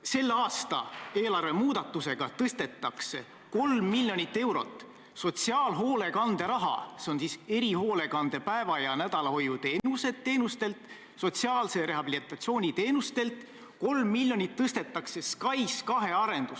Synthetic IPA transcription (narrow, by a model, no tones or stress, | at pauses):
se̞lːɑːst̪ɑ̰e̞ːlɑrve̞muːd̪̥ɑt̪ːˑuse̞ɡ̥ɑt̪ɤst̪e̞t̪ˑːɑkse̞̰ | ko̞lmːilʲjo̞nʲit̪ːe̞wɾo̞̰t̪ːˑ | so̞t̪ʲsiɑːlɦo̞ːle̞kɑnd̪̥eɾɑɦɑ̰seo̞nsise̞ɾiho̞ːle̞kɑnd̪̥e̞pæe̞vɑjɑnæd̪̥ɑlɑho̞jut̪e̞ːnuse̞d̪t̪ːe̞ːnust̪e̞lt̪ | so̞t̪ʲsiɑːlse̞ɾe̞ɦɑbilit̪ːˑɑt̪sio̞ːnʲit̪e̞ːnust̪e̞lt̪ | ko̞lmːilʲjo̞nʲit̪ːɤst̪e̞t̪ˑːɑkse̞skɑjskɑɦe̞ɑɾe̞nd̪̥us